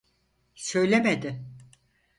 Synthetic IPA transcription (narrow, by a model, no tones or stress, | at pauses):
sø̞jlʲemed̪ɪ